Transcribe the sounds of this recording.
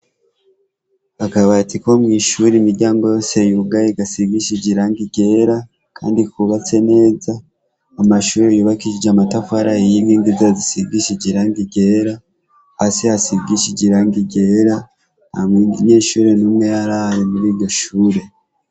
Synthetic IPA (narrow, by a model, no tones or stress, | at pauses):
βakaβatiko̞mŋiːʃuɾimiɾɟaːŋɡo̞jo̞ːse̞juɡajeɡasiɡiʃiɟiɾaŋɡiɟe̞ɾa | kʰa̰ːndikuβat͡se̞ne̞ːzaː | maʃuːɾejuːβakiʃid͡ʒamatafaɾaijiŋɡiŋɡizazisiɡiʃiɟiɾaːŋɡiɟeɾa | hasihasiɡiʃiɟiɾaŋɡiɟe̞ɾa | namɲeːʃuːɾe̞numŋejaɾahaɾemuɾiːɾɟo̞ʃuːɾe̞